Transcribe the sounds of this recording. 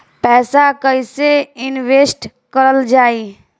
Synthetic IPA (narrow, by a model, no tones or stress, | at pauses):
pɛːsakəiseɪnʋeːsʈ | kəɾəld͡ʒaːiː